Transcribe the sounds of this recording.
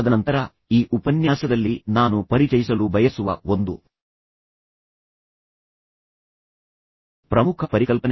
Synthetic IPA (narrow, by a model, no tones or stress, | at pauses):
d̪ɐnɐnt̪ɐɾɐ | iːʔupɐnjaːsɐd̪ɐlːinaːnupɐɾit͡ʃɐjisɐlubɐjɐsuʋɐ̰o̞nd̪ṵ | pɾɐmukʰɐpɐɾikɐlpɐn